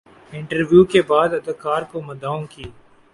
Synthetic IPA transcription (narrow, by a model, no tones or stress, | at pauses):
ɪɳʈəɾʋjuːkeːbaːd̪əd̪kaːɾkoːməd̪aːõːkiː